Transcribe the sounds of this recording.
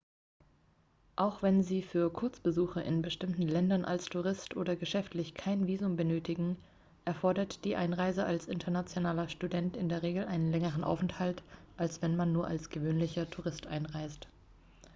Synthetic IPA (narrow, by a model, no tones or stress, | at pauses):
ʔaʊxv̥ɛnziːfyːɐkʰʊɐt͡sb̥əzuːxɐʔɪ̰nbəʃtɪmtn̩lɛndɐnʔa̰lstʰuʁɪstʔo̰ːdɐɡəʃɛftlɪçkʰaɪnviːzʊmbənøːtɪɡŋ̩ | ʔɛɐfɔɐdɐtd̥iːʔaɪnʁaɪzəʔalsʔɪntʰɐnat͡sjonaːlɐʃtudɛntɪndeːɐʁ̞eːɡl̩ʔaɪnənlɛŋəʁən̩ʔa̰ʊfɛnthaltʔalsv̥ɛnmanːuːɐʔalsɡ̥əvøːnlɪçɐtʰuʁɪstʔa̰ɪnʁaɪst